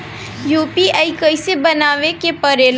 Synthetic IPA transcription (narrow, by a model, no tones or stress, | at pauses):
juːpiaːikəɪsebɐnaːʋekepəɾeːl